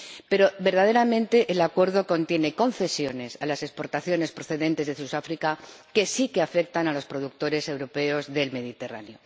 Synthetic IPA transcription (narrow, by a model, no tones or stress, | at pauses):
pe̞ɾo̞βe̞ɾðað̞e̞ɾamẽ̞nt̪e̞ʔelakwe̞ɾð̞o̞ko̞nt̪je̞ne̞ko̞nθe̞sjo̞ne̞salase̞spo̞ɾt̪aθjo̞ne̞spɾoθe̞ðẽ̞nt̪e̞zðeθusafɾikake̞sikeafe̞k̚t̪analo̞spɾo̞ðuk̚t̪o̞ɾe̞se̞wɾo̞pe̞o̞zðe̞lme̞ðit̪e̞ra̰njo̞